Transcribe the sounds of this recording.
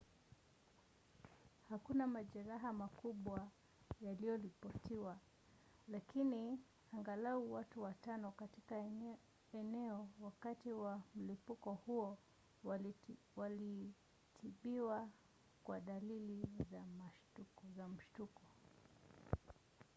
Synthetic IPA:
hakunamaʄɛɾaɦamakuɓwa | jalijɔɾipɔtiwa | lakini | aŋɡalauwatuwatanɔkatika | ɛnɛɔwakatiwam̩lipukɔhuɔ | wali | tʰiɓiwa | kwaɗalilizamaʃtuzam̩ʃtukɔ

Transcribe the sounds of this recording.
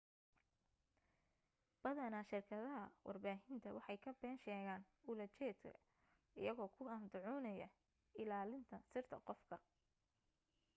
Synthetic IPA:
b̥ɐðɐnɐʃɪrkʰɐðɐɦɐwʔɑ̰rbaːɦɪnt̪ʰɐwɑħɑjkʰɐbɛːnʃɛːɣaːn | ʊlɐt͡ʃɛːt̪kʰɐ̰ | ɪ̰jɐɣɔːkʰʊɐmd̪ʊʕɔːnɐjɐ̰ | ɪlaːlɪnt̪ʰɐsɪrt̪ʰɐ̰qɔfkʰɐ

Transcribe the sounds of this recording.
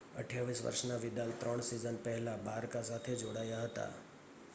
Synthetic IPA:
ə̰ʈʰjaʋisʋə̰ɾʃnaʋɪd̪alt̪ɾəɳ̃sizənpɛɦɛlabaːɾkasat̪ʰed͡ʒoɽaːjaɦət̪a̰

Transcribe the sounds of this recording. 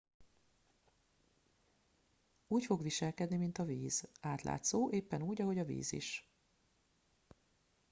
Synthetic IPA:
uːcfo̞ɡʋiʃɛlkɛd̪nimint̪ɒviːz̥aːt̪lʔa̰ːt̪soːʔeːpːɛnuːɟɒɦo̞ɟɒvḭːzḭʃ

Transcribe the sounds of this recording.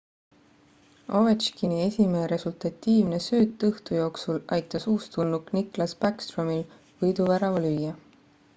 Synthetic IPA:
o̞vɑt͡ʃkinie̞sʲimeeɾe̞sult̪ɑt̪ːiːvne̞sø̞ːt̪ːɤht̪ujo̞ːksulɑjt̪ːˑɑsuːst̪unːukniklɑsb̥ækst̪romil | vɤjd̪uvæɾɑvɑlyjːɑ

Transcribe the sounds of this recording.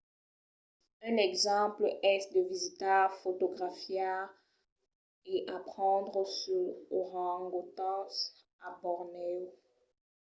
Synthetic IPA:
ɛ̃nɛɡzɑ̃plʔɛsd̪əvizit̪aʁfot̪oɡʁafja | eʔapχɑ̃d̪ʁəsyʁoʁɑ̃ŋɡot̪ɑ̃s | abɔʁnɛ

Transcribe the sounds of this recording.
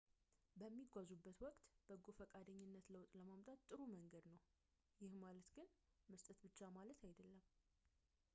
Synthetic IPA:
bəmːiɡʷazubːət̪wɔkʼt̪b̥əɡofəkʼad̪əɲːɪnːət̪ləwt̪ʼləmamt̪ʼat̪ːʼɨɾuməŋɡəd̪nəw | jɪhmalət̪ɡɨnməst̪ʼət̪bɨt͡ʃːamalət̪ʰajd̪əlːəm

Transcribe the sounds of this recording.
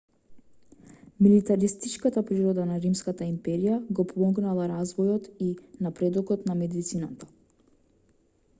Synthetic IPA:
milit̪aɾist̪it͡ʃkat̪apɾiɾɔd̪anaɾimskat̪aimpɛɾijaɡɔpɔmɔɡnalˠaɾazvɔjɔt̪inapɾɛd̪ɔkɔt̪namɛd̪it̪sinat̪ḁ

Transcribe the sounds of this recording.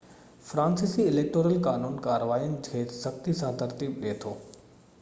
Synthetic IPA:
fɾãːnsisiɪleːk̚ʈoːɾəlkaːnuːnkaːɾəʋaːiənɪ̆d͡ʑʱeːt̪sɐxt̪isãt̪ɐɾt̪iːbɗiet̪ʰoː

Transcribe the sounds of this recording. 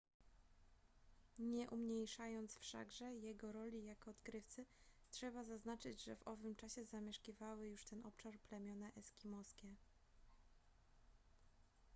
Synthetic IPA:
ɲɛʔumɲejʂajɔnt̪sfʂa̰ɡʐɛjɛɡɔɾɔlʲijakɔːt̪kɾɘft̪sɘtʂɛbazaznat͡ʂɘd͡ʑʐɛvɔvɘmt͡ʂaɕɛzamʲjɛʂkʲivawɘjuʂt̪ɛnʔɔpʂaɾplɛmʲjɔnɛʔɛskʲimɔskʲɛ

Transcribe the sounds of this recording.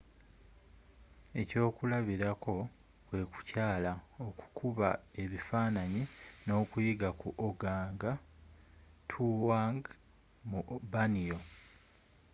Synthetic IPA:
e̞co̞ːkulaβiɾako̞ | kwe̞ku̥caːlaoku̥kʰuβae̞βifaːnaɲino̞ːkujiɡakuʔoɡaːŋɡa | tʰuwaŋɡ | mubanijo̞

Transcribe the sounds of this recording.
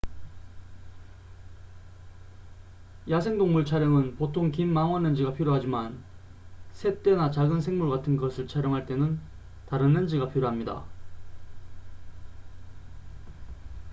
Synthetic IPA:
jasʰe̞ŋdoŋmuɭt͡ɕʰaɾjʌŋɯnpotʰoŋkimːaŋwʌnːɯnd͡ʑiɡapʰiɾjoɦad͡ʑiman | sʰe̞t͈e̞nat͡ɕaɡɯnsʰe̞ŋmuɭɡatʰɯnɡʌsʰɯɭt͡ɕʰaɾjʌŋɦaɭt͈enɯn | taɾɯnɯnd͡ʑiɡapʰiɾjoɦamɲida̰

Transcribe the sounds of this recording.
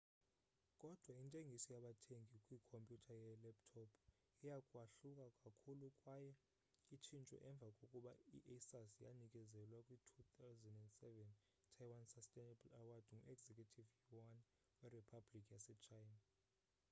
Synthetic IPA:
kʼɔd̥ʱwaintʼeŋɡʱisɔjaɓatʰeŋʱikʼwikʰompʼjutʰajɛlɛptʰɔpʰ | ijakʼwaɬukʼakʼakʰulukʼwajɛ | it͡ʃʰint͡ʃʼɔ̰ʔɛɱb̪vʱakʼokʼuɓaḭʔɛsasja̰nikʼɛzɛlwakʼwitʰut̪ʰawzɛndɛndsɛvɛn | tʰajwansastʼɛnabulawad̥ʱŋuʔɛɡzekʰʼjutʰivuwan | wɛripʰablikʼijasɛt͡ʃʰajna

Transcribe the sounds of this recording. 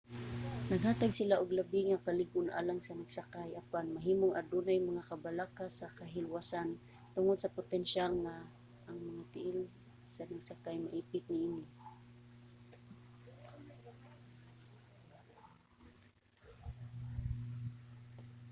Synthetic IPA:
naɡhaːt̪aɡsɪlaʔʊɡlabiŋakalɪɡʊnʔa̰ːlaŋsanaɡsakajapanmaɦiːmʊŋʔad̪unajmaŋakabalakasakaɦɪlwasan | t̪ʊŋʊd̪̚sapʊt̪ɛnʃalŋa | ʔːŋmaŋat̪ɪʔɪl | sanaɡsakajmaʔiːpɪt̪̚nɪʔiːnɪ

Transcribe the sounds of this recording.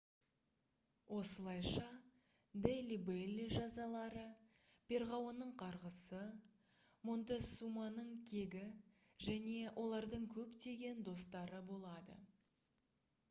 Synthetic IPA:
wʔo̞səlˠɑjʃɑ | d̪elʲibelʲːiʒɑzɑlˠɑɾə | pʰʲe̞ɾʁɑwonːəɴqʰɑɾʁəsə | mo̞nt̪esumɑnəɴkʲʰe̞ɡʲɪ | ʒæne̞wʔo̞lˠɑɾd̪əɴkʲʰɵpt̪e̞ɡʲe̞nd̪o̞st̪ɑɾəbo̞lˠɑd̪ə̰

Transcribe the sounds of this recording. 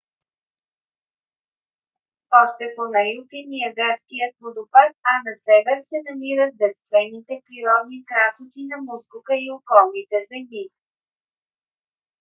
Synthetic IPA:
ɔʃt̪ɛponɐjukɛnijəɡaɾskijət̪̚mod̪ʊpaɾanɐsɛvɛɾsɛnɐmiɾət̪̚d̪ɛɾst̪vɛnːit̪ɛpɾiɾɔd̪nikɾasot͡ʃ̪inɐmuskʊkəiokɔlˠnit̪ɛzɛmi

